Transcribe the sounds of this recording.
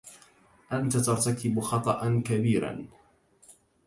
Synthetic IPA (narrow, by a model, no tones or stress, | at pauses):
ʔant̪at̪ɑɾˤt̪akɪbxɑt̪ˤɑʔankabiːɾa̰n